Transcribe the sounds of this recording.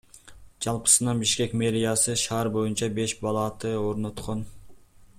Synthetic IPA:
d͡ʒɑlˠpə̥sɯnɑnbiʃkʲe̞kʲme̞ɾijɑsɨʃɑːɾbo̞junt͡ʃɑbe̞ʃbɑlˠɑt̪ɯo̞ɾno̞t̪qʰo̞n

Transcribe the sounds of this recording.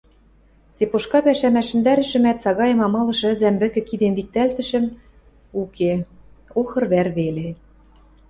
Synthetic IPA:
t͡sepoʃkɑpæʃæmæʃɘ̆nd̪æɾɘ̆ʃɘ̆mæt̪sɑɣɑjɤ̆mɑmɑlɤ̆ʃɤ̆ɘ̆zæmbɘ̆kɘ̆kid̪emvik̚t̪ælt̪ɘ̆ʃɘ̆m | ukeoxɤ̆rβæɾβele

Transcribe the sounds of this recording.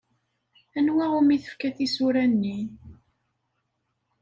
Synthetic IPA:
ænwæʁumiθə̥fkæθisuɾænːi

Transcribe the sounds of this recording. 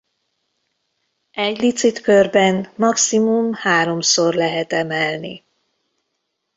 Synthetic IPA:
ɛɟlit̪sit̪kørbɛnmɒksimumhaːɾo̞msorlɛɦɛt̪ɛmɛlnḭ

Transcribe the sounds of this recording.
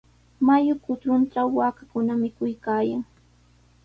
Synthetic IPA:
majʊkʊt̪ɾʊnʈ͡ʂawːaːkakʊnamɪkʊjkaːjaŋ

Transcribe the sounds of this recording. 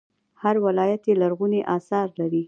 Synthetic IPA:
haɾwalɑjat̪jelaɾɣuneʔɑsɑɾlaɾi

